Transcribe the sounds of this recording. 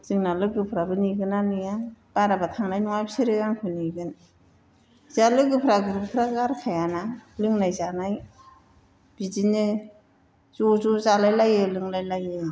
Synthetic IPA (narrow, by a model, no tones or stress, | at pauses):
z̥ɯŋnalɯɡɯpʰɾabɯniɡɯnanɯjab̥aɾabatʰaŋnajnɔŋajbsiɾɯɡaŋkʰɯniɡɯn | zalɯɡɯpʰɾaɡɯɾbpʰɾaɡaɾkʰajanalɯŋnajzanaj | b̥izinɯ | zɔzuzalajlajɯlɯŋlajlajɯ